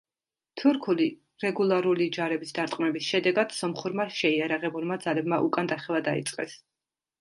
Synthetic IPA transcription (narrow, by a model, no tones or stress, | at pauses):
t̪ʰuɾkʰuli | ɾɛɡulˠaɾulid͡ʒaɾɛbisd̪aɾt̪ʼqʼmɛbisʃɛd̪ɛɡad̪̥sɔmχuɾmaʃɛiaɾaʁɛbulmad̪zalɛbmaʔukʼand̪aχɛvˠad̪aḭt̪sʼqʼɛ̰s